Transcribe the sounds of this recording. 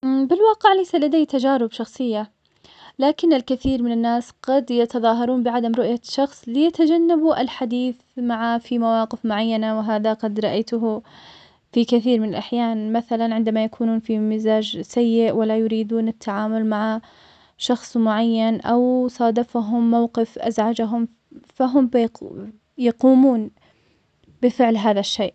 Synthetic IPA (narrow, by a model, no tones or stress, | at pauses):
bɪlwɑːqɪʕlajsalad̪ajːt̪ad͡ʒaːɾɪbʃɑxsˤɨjːa | laːkɪnɪlkɪθiːɾmɪnanːaːsɡ̥ɑd̪jat̪ɑðˤɑːɦɑɾˤuːnbɪʕad̪amɾʊʔjaʃɑxsˤlɪjat̪ad͡ʒanːabuʔɪlħad̪iːθmaʕafimawɑːqɪfmʊʕajːanawɪɦaːðaqɑd̪ɾˤɑʔajt̪ʊɦʊ | fikɪθiːɾmɪnalʔaħjaːnmaθalanʕɪnd̪amajakʰuːnuːnfimɪzaːd͡ʒsajːɪʔwalːajʊɾiːd̪uːnɪt̪ʰːaʕaːmʊlmaʕa | ʃɑxsˤmʊʕajːanʔawsˤɑːd̪ɑfaɦʊmːawqɪfʔa̰zʕad͡ʒaɦʊm | faɦʊmb | jɑquːmuːn | bɪfɪʕlɦaːðaʃːeːʔ